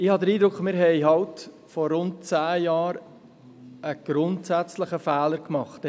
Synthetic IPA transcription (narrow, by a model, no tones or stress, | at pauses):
ɪhɑd̪əɾiːd̪ɾʊkχmɪːɾɦɛɪɦɑlt | fɔɾʊnt̚t͡sæːjɑːɾ | əɡ̥ɾʊntsæt͡sləχəfæːləɾkmɑχt